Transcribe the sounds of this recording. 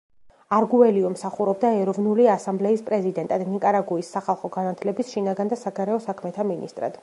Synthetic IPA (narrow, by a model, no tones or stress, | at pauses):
aɾɡuɛliɔmsaχuɾɔbd̪aɛɾɔvnuliasamblɛispʼɾɛzid̪ɛnt̪ʼad̪nikʼaɾaɡuisːaχalˠχɔɡanat̪ʰlɛbisʃinaɡand̪asaɡaɾɛɔsakʰmɛt̪ʰaminḭst̪ʼɾa̰d̪̥